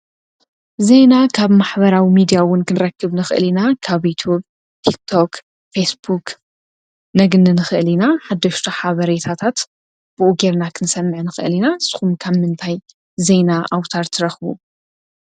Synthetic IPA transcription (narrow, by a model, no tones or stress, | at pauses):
ze̞nakʰaβmaħbɐɾawimid̪ijawʊnkɨnɨɾɐkːɨβnɨxɨʔɨlinakʰaβjut̪ʰjub | t̪ʰik̚t̪ʰo̞k | fesbuk | nɐɡnɨnɨxɨʔɨlinaħad̪ːɐʃt̪ʰaħaβɐɾet̪ʰat̪ʰat̪ | b̥ɨʔuɡeɾnakʰɨnsɐmːʕnɨxɨʔɨlinaɨsɨ̥xumkʰaβmɨnt̪ʰaj | ze̞naʔawt̪ʰaɾt̪ʰɨɾɐxβṵ